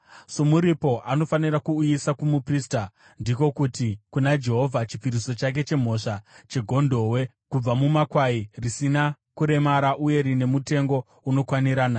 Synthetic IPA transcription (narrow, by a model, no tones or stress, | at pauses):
so̞muɾipo̞ʔano̞faniɾakuːjisakumuprista | ndiko̞kutikunad͡ʒe̞ɦo̞vʱat͡ʃi̥piɾiso̞t͡ʃak̬e̞t͡ʃe̞m̤o̞ʂat͡ʃe̞ɡʱo̞ndo̞we̞ | kub͡vamumakwairisina | kuɾe̞maɾaʔuje̞ɾine̞mute̞ŋɡo̞ | uno̞kwaniɾaːna